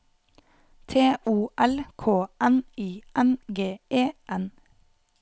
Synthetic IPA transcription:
t̪ʰeːʔuːʔɛlkʰoːʔɛniːɛnɡeːeːʔɛn

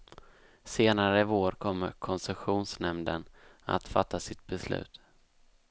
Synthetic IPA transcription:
seːnaɾəɪvoːɾkʰɔmːə̰ɾkʰɔnsɛɧuːnsnɛmd̪əna̰t̪fat̪ːasɪt̪̚bɛslʉ̟̰ːt̪

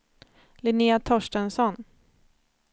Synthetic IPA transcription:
lɪniːat̪ʰɔʂʈənsɔn

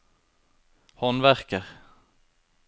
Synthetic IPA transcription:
hɔnʋæʁkəʁ

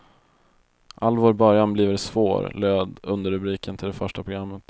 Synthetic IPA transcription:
ʔalːvoːɾbœɾjanbliːvəɾsvo̰ːɾløːd̪ɵnd̪əɾɵbɾiːkʰənt̪ʰɪld̪ɛfœʂʈapʰɾʊɡɾamːət̪

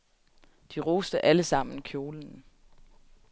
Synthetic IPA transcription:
d̥iʁoːsd̥əʔæləsɑ̈m̰n̩kʰjo̝ːln̩

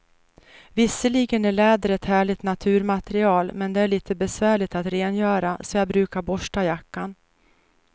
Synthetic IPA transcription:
vɪsːəliːɡənæɭɛːd̪əɾɛt̪hæːɭɪɡt̪nat̪ʰʉ̟ːɾmat̪ɛɾɪɑːlmɛnd̪ɛæɭiːt̪ʰəbɛsvæːɭɪt̪at̪ɾeːnjœːɾasɔjɑːɡbɾʉ̟ːkaɾbɔʂʈajakːan

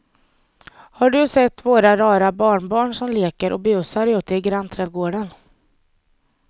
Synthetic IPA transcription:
haɖɵsɛt̪ːvoːɾaɾɑːɾabɑːɳbɑːɳʂɔmleːkəɾʔɔ̰bɛɵsaɾjʉ̟ːt̪ːəɪɡɾant̪ʰɾɛːd̪ɡoːɖən

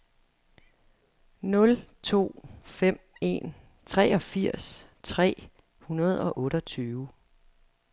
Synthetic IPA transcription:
nɔ̽lt͡sʰo̝̰ːfem̰e̝̰n | t͡sʰʁɛːɒ̽fiɐ̰s | t͡sʰʁɛ̰ː | hunɐð̞ˠɒ̽ʔɔ̽ːɾɒt͡sʰyːʊ

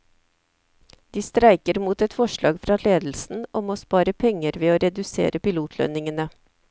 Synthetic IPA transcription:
d̪̥iːst̪ɾæɪkəɾmuːt̪ɛt̪fɔʃɭɑ̰ːɡfɾɑːleːd̪l̩sn̩ɔmoːspɑːɾəpʰɛŋəɾʋeːoːɾɛd̪ʉsḛːɾəpɪluːt̪ʰlœ̰nɪŋənə

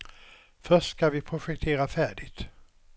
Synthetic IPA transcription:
fœʂskavɪpʰɾʊɧɛk̚t̪ʰeːɾafæːɖɪt̪

